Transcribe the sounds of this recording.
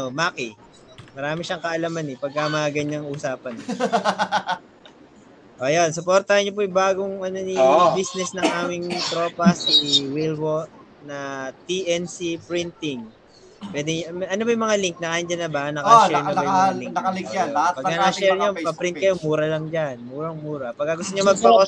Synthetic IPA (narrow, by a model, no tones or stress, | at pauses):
omaːkɪ | mɐɾaːmɪʃaŋkɐʔɐlamanɛpɐɡ̚kɐmɐŋaɡɐɲaŋusaːpɐn | ʔojonsʊpoɾt̪ɐhɐnːop̬ojɪbaːɡoŋʔɐnonibisnɛsnɐŋʔaːmɪŋt̪ɾo̞ːpɐsiwilwo | nɐt̪iʔɛnsipɾint̪ɪŋ | pwɛːd̪ɛmʔɐnobɐjmɐŋaliŋk̚nɐkajɪnd͡ʒɐnːɐbaʔnɐkɐʃɛɾnɐbɐjmalɪkɐɪŋkaɐhatpɐɡɐaʃɛɾɲopɐpɾɪnt̪kɐjomuːɾɐlɐŋd͡ʒanmuːɾɐŋmuːɾɐpɐɡːɐɡʊst̪oɲomɐɡ̚pɐo